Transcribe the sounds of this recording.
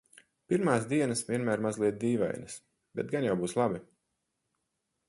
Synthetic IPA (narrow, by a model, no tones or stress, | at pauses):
piɾmaːsd̪iɛnasvʲiɛnmæːɾmazlˠiɛt̪̚d̪iːva̰jnɐs | bɛt̪̚ɡanjawbuːslˠabi